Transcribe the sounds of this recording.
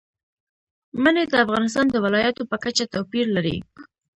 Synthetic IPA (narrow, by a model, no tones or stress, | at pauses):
məned̪əafɣɑnɪs̬t̪ɑnd̪əwɪlɑjat̪opəkat͡ʃat̪apiɾlaɾḭ